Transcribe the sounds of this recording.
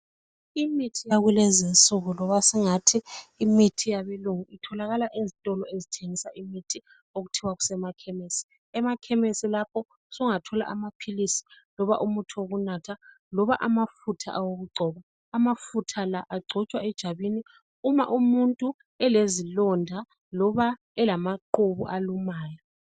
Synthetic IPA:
imitʰijaɣulɛzinsʼuɣulɔβasiŋatʰiːmitʰijaβeluŋuʔitʰɔlaɣalaʔezitʼɔlɔezitʰeŋisaʔimitʰi | oɣutʰiwaɣu̥sɛmakʰɛmesi̥ | ɛmakʰɛmesilap̚ʰɔ | sɔŋatʰɔla̰ʔamapʰilisi̥ | lɔβa̰ʔumutʰuoɣunatʰa | lɔβaʔamafutʰa̰ʔawoɣuɡ͡ǀʱɔβaː | mafutʰalaʔaɡ͡ǀʱɔt͡ʃʼwaɛd̥ʒ̥ʱaβini | uma̰ʔumuntʼu | ɛlezilɔndʱa | lɔβa | ɛlamaǃuβṵʔalumaːjɔ

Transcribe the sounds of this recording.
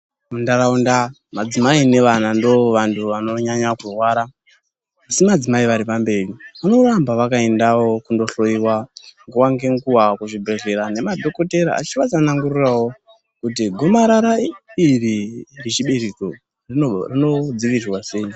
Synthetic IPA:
mundaɾaunda | mad͡zimaine̞ʋanando̞ʋantʰuʋano̞ɲaɲakurwaɾaː | simad͡zimaiʋaɾipambe̞riʋano̞rambaʋakae̞ndawo̞kundo̞ɬo̞iwaŋɡuwaŋɡe̞ŋkuwakuʐibʱe̞ɮe̞ɾane̞madʱo̞ko̞te̞ɾa̰a̰t͡ʃiʋat͡sanaŋɡurirawo̞ | kut̬iɡʱo̞maɾaɾairirit͡ʃiɓeɾiko | riorino̞d͡ziʋiirwase̞i

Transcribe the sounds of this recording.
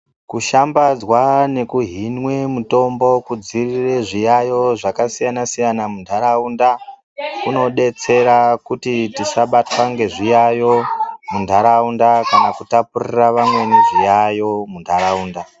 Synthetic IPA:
kuʃambad͡zwane̞kuɦinwe̞muto̞mbo̞kud͡zirire̞ʐijajo̞ʐakasijanasijanamundʱaɾaunda | kuno̞ɗe̞t͡se̞ɾakutitisaɓatwaŋɡe̞ʐijajo̞mundʱaɾaundakanakutapuriraʋamwe̞neʐijajo̞mundʱaɾauːnda

